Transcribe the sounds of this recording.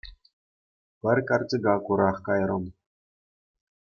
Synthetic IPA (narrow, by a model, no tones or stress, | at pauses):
pʲɘ̆rʲkɑrt͡siɡɑkuɾɑχkɑjɾɤ̆m